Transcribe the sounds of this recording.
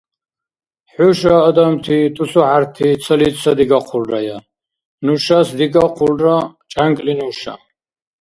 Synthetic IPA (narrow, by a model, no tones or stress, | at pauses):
ħuʃaːd̪amt̪ʰit̪ʰʼusuħaɾt̪ʰit̪t͡s̪ʰəlit̪sad̪iɡaqʰulraja | nuʃasd̪iɡaqʰulrat͡ʃʼaŋkʼlinuʃa̰